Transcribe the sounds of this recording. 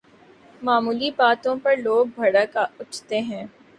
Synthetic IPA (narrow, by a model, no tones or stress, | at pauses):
maːmuːlibaːt̪õpɐɾloːɡ̚bʱɐɽəkaʊt͡ʃʰt̪eɦɛ̃ː